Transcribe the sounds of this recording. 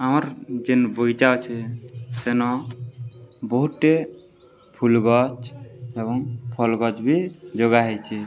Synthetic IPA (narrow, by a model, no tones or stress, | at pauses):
amaɾd͡ʒenbojd͡ʒawt͡ʃʰɛsenɔ | bɔɦuʈːe | pʰulɡɔt͡ʃebɔŋpʰɔlɡɔt͡ʃbʱid͡ʒoɡaɦejt͡ʃʰi